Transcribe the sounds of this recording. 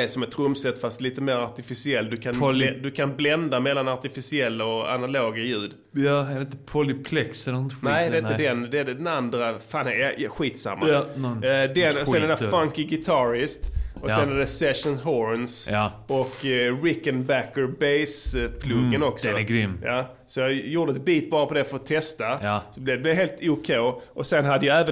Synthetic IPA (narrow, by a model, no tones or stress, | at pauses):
ɛsɔmɛt̪ʰːɾɵmsɛt̪ːfast̪liːt̪əmeːɾaɾt̪ɪfɪsɪɛlːd̪ɵkʰand̪ɵkʰanblɛnd̪amɛlːanaɾt̪ɪfɪsɪɛlːaɔa̰naloːɡajʉ̟ːd̪ | ɑɛdɛɪnt̪əpʰɔlɪpʰlɛksɛɛɪnt̪nɛɪd̪ɛɪnt̪əd̪ɛnd̪ɛɛɖɛd̪ɛnand̪ɾafaːnɛɧiːt̪sa̰mːa | d̪ɛnɔɛnɛafaŋkɪɡɪt̪ʰɑɾɪst̪ɔsɛnad̪ɛsɛʂɔnɦɔɾns | ɔkːɾɪkənbækːəɹbeɪspʰlɵɡənɔksɔɡɾʏmːjɑː | sɔjɑjuːd̪əɛt̪̚biːt̪̚bɑːɾapʰɔd̪ɛfœɾɔt̪ʰːɛst̪asɔblɛd̪ɛblɛɦeːlt̪uːkʰɛːʔɔsɛnɦad̪ːəjaæːvə